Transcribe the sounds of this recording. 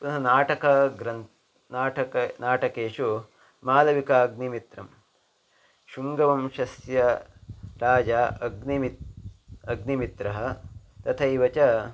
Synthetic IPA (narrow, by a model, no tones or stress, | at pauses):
nɐɦɐnaːʈɐkɐɡɾɐn | naːʈɐkɐnaːʈɐkeːʃu | maːlɐʋikaːɡ̚nimit̪ɾɐ̰m | ʃuŋɡɐʋɐmʃɐsjɐ | ɾaːd͡ʒaːɐɡnimi | ɐɡnimit̪ɾɐɦɐ̆t̪ɐt̪ʰɐiʋɐt͡ʃɐ